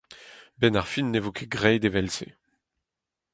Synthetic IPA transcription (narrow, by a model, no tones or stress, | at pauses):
bɛnaʁfinːevokʰeɡʁɛjd̪evɛlsḛ